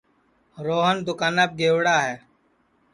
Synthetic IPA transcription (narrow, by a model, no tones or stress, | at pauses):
ɾoːɦənd̪ʊkaːnəːp̚ɡeːwɽaːɦɛː